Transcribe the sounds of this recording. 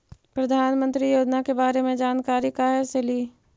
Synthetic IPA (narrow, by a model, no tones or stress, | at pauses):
pɾɐd̪ʱaːnmə̃nt̪ɾijoːd͡ʒnakebaːɾemẽd͡ʒaːnkaːɾikaːɦeseli